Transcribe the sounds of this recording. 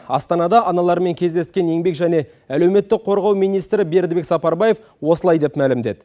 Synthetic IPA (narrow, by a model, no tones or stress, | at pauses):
ɑ̰st̪ɑnɑd̪ɑʔɑnɑlˠɑɾme̞ŋkʲʰe̞zd̪e̞st̪kʲe̞ne̞ŋbe̞kʒæne̞ | æle̞wme̞t̪ːɪk̚qʰo̞ɾʁɑwmijnijst̪ɾɪbe̞ɾd̪be̞ksɑpɑɾbɑje̞f | wo̞səlˠɑjd̪e̞pmælɪmd̪e̞d̪ɪ